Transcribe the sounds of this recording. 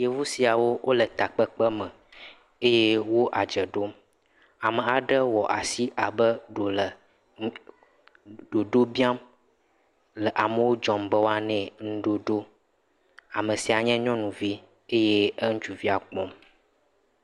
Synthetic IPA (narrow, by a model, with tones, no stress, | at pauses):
je˨vu˦si˨a˨wo˦wʔo˦lə˨t̪a˨k͡pə˦k͡pə˦mə̃˨ | e˦je˦wo˦ʔa˨d͡ʒə˨ɖo˦m | a˨mə̃˨a˨ɖə˦wɔ˨ʔa˨si˦ʔa˨bə˦ɖo˨lə˨˦ | ɖ̥o˨ɖo˦bi˦a˦m | lə˨ʔa˨mə˨wo˦d͡ʒɔ˨mbə˦wo˦a˦nɛ̃˦ŋ̩̃˦ɖo˦ɖo˦ | a˨mə̃˨si˨a˨ɲɛ̃˦ɲɔ̃˦nũ˨vi˦ | e˦je˦ə˦ŋ̩̃˦t͡ʃu˨vi˦a˨k͡pɔ˦m